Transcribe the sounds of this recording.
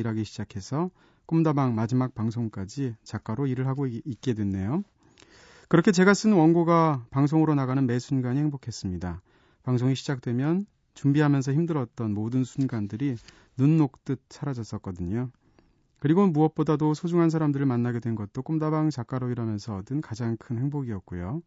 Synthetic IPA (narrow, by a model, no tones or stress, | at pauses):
iɾaɡiɕʰid͡ʑakʰe̞sʰʌ | k͈umdabaŋmad͡ʑimak̚paŋsʰoŋk͈ad͡ʑit͡ɕak͈aɾoiɾɯɭɦaɡoik̚k͈e̞dwe̞nːe̞jo | kɯɾʌkʰe̞t͡ɕe̞ɡas͈ɯnɯnwʌnɡoɡapaŋsʰoŋɯɾonaɣanɯnme̞sʰunɡaɲiheŋbokʰe̞s͈ɯmɲida | paŋsʰoŋiɕʰid͡ʑak̚t͈we̞mjʌn | t͡ɕumbiɦamjʌnsʰʌçimdɯɾʌt̚t͈ʌnmodɯnsʰunɡandɯɾi | nunːok̚t͈ɯt̚t͡ɕʰaɾad͡ʑʌs͈ʌt̚k͈ʌdɯɲo | kɯɾiɡomuʌp̚p͈odadosʰod͡ʑuŋɦans̬ʰaɾamdɯɾɯɭmanːaɡe̞dwe̞nɡʌt̚t͈ok͈omdabaŋt͡ɕak͈aɾoiɾamjʌnsʰʌdɯnkad͡ʑaŋkʰɯnhe̞ŋboɡiʌtk̚k͈ujo